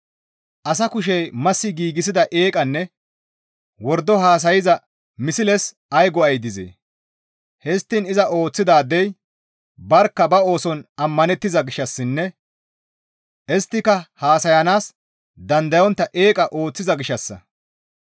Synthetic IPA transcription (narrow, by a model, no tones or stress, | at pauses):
ʔɐs̬ɐkʊʃ̬ɛjmɐsːɪɡiːɡɪsɪd̪ɐʔe̞ːkʼɐnːɛ | wɔɾd̪ːɔɦaːs̬ɐjɪzɐ | mɪsɪlɛs | ɐjɡɔɐjd̪ɪzḛː | hɛst̪ːɪnɪzɐʔo̞ːt͡sːɪd̪aːd̪ɛj | bɐɾkːɐbɐo̞ːsɔnɐmːɐnɛt̪ːɪzɐɡɪʃːɐsːɪnːɛ | ʔɛst̪ːɪkɐhaːsɐjɐnaːs | d̪ɐnd̪ɐjɔnt̪ːɐʔe̞ːkʼɐʔo̞ːt͡sːɪzɐɡɪʃɐsːɐ̰